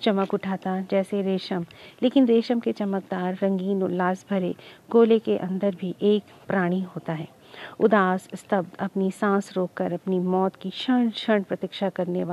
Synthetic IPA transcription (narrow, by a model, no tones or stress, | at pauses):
t͡ʃɐməkʊʈʰaːt̪ad͡ʒɛːseɾeːʃəmleːkɪnɾeːʃəmket͡ʃɐmək̚d̪aːɾːɐ̃ŋɡiːnolaːsbʱɐɾeɡoːlekeʔɐ̃nd̪əɾbʱiʔeːk | pɾaːɽ̃iɦoːt̪aɦɛː | ʊd̪aːsɪst̪ɐb̚d̪ɐpnisãːsɾoːkːɐɾɐpnimɔːt̪kiʃɐɳʃɐɾɳpɾɐt̪ɪkʃakɐɾneʋaː